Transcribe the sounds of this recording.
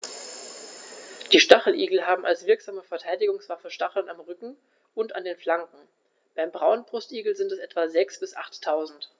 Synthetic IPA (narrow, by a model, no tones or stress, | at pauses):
d̥iːʃtaχl̩ʔiːɡl̩ɦaːbm̩ʔa̰lsv̥ɪɐkz̥aːməfɛɐtʰaɪdɪɡʊŋsv̥afəʃtaχl̩namʁʏkŋ̩ | ʔʊnta̰ndeːnflaŋkŋ̩ | b̥aɪmbʁaʊnənbʁʊstʔiːɡl̩zɪntɛsʔɛtv̥azɛksb̥ɪsʔa̰χtʰːaʊzn̩t